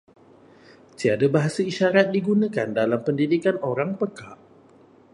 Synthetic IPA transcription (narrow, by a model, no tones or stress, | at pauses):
t̪iadabaɦasəiʃaɾat̪̚diɡunə̃kandalampəndidikanoɾaŋpəkaʔ